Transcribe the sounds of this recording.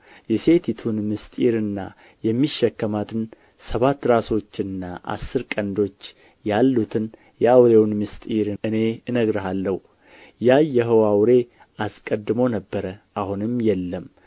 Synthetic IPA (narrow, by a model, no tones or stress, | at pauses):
jɛse̞t̪ʰit̪ʰunmɨst̪ʼiɾɨnːa̰ | jɛmːiʃːɛkːəmat̪ʰɨn | səβat̪ːɾaso̞t͡ʃːɨnːa̰ʔa̰sːɨɾkʼənd̪o̞t͡ʃː | jalːut̪ʰɨn | jɛawɾe̞wnmɨst̪ʼiɾɨne̞ɨnəɡɾɨɦalːəhu | jajɛɦəwawɾe̞ | askʼəd̪ːɨmo̞nəbːəɾəʔahunɨmjɛlːəm